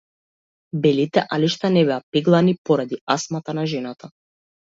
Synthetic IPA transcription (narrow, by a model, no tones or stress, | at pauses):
bɛlit̪ɛʔaliʃt̪anɛbɛapɛɡlˠanipɔɾad̪iasmat̪anaʒɛnat̪ʰa